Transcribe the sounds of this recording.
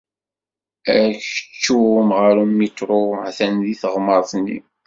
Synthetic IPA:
æçə̥t͡ʃːumʁəɾumit̪ɾoʕθænðiθəʁməɾˤθnːḭ

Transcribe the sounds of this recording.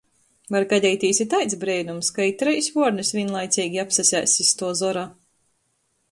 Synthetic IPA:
vaɾkadʲɛjt̪ʲiːsit̪ajt̪sbɾɛjnumskajit̪ɾɛjsʲvuɔɾnɨsvʲinlˠajt̪sʲiːɡʲiapsasʲæːsʲist̪uɔzɔɾa

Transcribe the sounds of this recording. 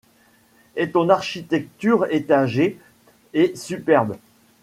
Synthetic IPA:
ɛt̪ɔ̃naʁʃit̪ɛk̚t̪yʁet̪aʒe | esypɛʁb

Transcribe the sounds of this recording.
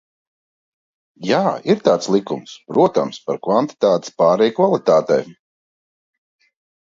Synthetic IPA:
jaːiɾt̪aːt̪slˠikumspɾuɔt̪a̰mspa̰ɾkvant̪i̥t̪aːt̪i̥spaːɾɛjkvalˠit̪aːt̪ɛ̰j

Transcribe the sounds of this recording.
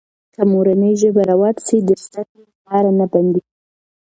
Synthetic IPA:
kəmoɾanəjʒəbaɾawɑt̪sid̪əst̪akelalɑɾanaband̪iɡ

